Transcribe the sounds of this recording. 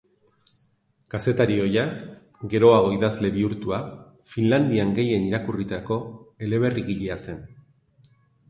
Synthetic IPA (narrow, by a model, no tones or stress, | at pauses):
kase̞t̪aɾio̞jaɡe̞ɾo̞aɣo̞iðazle̞βiuɾt̪ua | finland̪iaŋɡe̞je̞niɾakurit̪ako̞e̞le̞β̞e̞riɣiʎease̞n